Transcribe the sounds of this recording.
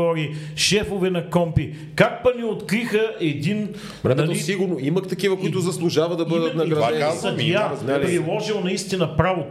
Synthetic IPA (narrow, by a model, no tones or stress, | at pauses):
ɔɾiʃɛfovɛnɐkɔmpi | kak̚pɐnʲiot̪kɾixəʔɛd̪in | ɾɛmɐlisiɡʊɾnoiməkt̪ɐkivəkʊit̪ʊzɐslˠʊʒavəd̪ɐbəd̪ət̪nɐɡɾɐd̪sɐd̪aapɾilˠɔʒilˠnɐist̪inɐpɾavo